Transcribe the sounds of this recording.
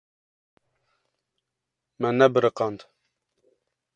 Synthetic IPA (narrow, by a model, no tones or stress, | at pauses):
mɛnɛbɨɾɨqɑnd̪